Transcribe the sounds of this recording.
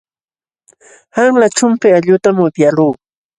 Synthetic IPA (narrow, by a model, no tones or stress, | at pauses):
haŋlat͡ʃʊmpɪaʎʊt̪amʊp̪jaluː